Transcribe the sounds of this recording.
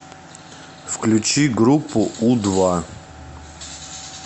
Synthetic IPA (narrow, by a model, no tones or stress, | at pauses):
fklʲut͡ʃʰiɡɾupʰːuud̪va